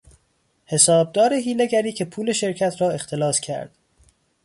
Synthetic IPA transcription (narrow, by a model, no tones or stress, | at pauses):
he̞sɒːb̚d̪ɒːɾeɦiːleɡæɾiːcʰepʰuːle̞ʃe̞ɾcʰæt̪ʰɾɒːe̞xt̪ʰe̞lɒːscʰæ̰ɾd̪̥